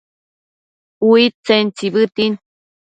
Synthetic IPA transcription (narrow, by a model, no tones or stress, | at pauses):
uit͡sent͡siβɨt̪in